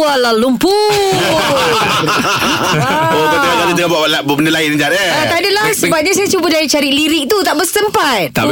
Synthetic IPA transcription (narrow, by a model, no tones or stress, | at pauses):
alalumpu | okət̪ikat̪adit̪əkabaʔlaʔbuaʔbəndəlaind͡ʒaəat̪adalahsəbap̚t̚ɲas̬ajat͡ʃubədaɾit͡ʃaɾiʔliɾik̚t̪ut̪aʔbəsəmpat̪̚t̪a̰